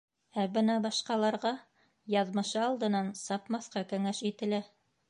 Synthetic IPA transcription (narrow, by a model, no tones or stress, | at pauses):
æbɤnɑbɑʃqɑlˠɑɾʁɑ | jɑðmɤ̆ʃɤɑlˠd̪ɤ̆nɑnsɑpmɑθqɑkɵ̆ŋæʃit̪ɘ̆læ